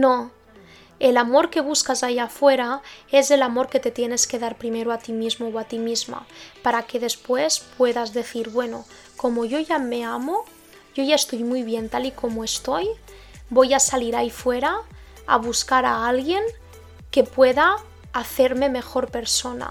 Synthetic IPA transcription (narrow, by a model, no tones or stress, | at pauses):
no | e̞lamo̞ɾke̞β̞uskazaiafwe̞ɾae̞ze̞lamo̞ɾke̞t̪e̞t̪je̞ne̞ske̞ðaɾpɾime̞ɾoat̪imizmowat̪imizma̰paɾake̞ð̞e̞spwe̞spwe̞ðazðe̞θiɾβwe̞no | ko̞moʝo̞ʝame̞amo | ɟ͡ʝo̞ʝaest̪o̞jmujβje̞nt̪aliko̞moe̞st̪o̞j | bo̞jasaliɾaifwe̞ɾa | a̰β̞uskaɾaalɣje̞ŋ | ke̞pwe̞ða | aθe̞ɾme̞me̞xo̞ɾpe̞ɾso̞na̰